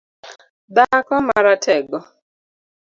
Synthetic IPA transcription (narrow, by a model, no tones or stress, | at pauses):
d̪akɔmaɾatʰɛɡɔ